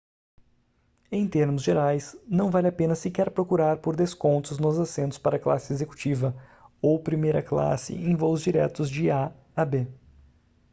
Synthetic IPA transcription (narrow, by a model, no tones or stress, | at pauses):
ẽj̃t̪eɾmʊzʒeɾajsnɐ̃w̃valɪapẽnɐsɪkɛɾpɾokuɾaɾpoɾd̪eskõnt̪ʊznʊzasẽnt̪ʊ̥spaɾɐkla̰sɪezeku̥t͡ʃivɐowpɾimejɾɐkla̰sɪ̰ẽj̃vowzd͡ʒiɾɛt̪ʊzd͡ʒɪa | abe